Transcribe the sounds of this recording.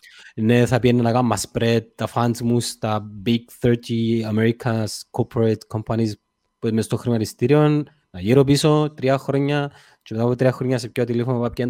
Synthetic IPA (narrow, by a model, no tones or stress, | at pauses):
neθɐpienːɐnɐɣɐmːɐspɾet̪̚t̪ɐfɐnzmust̪ɐbiɡθeɾt̪iɐmeɾikʰɐskʰopʰɾet̪kʰompɐnis | puemest̪oxɾimɐt̪ist̪iɾionː | ɐʝiɾop̬isot̪ɾiɐxɾoɲːɐ | t͡ʃemet̪apot̪ɾiɐxɾoɲːɐsepçot̪ilefonoopɐpcen